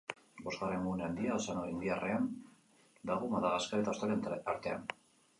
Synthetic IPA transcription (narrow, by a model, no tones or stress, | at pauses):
bo̞zɣare̞ŋɡuneand̪iasanoind̪iare̞an | d̪aɣomaðaɣaskaet̪aost̪aɾaɾt̪e̞an